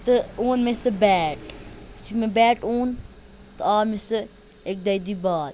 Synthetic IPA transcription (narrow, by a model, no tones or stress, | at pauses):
t̪ɨoːnmẽsɨbɛːʈt͡ʃʰimẽbɛːʈoːn | t̪ɐaːmesɨ | ek̚d̪ɐjd̪iːbaːd̪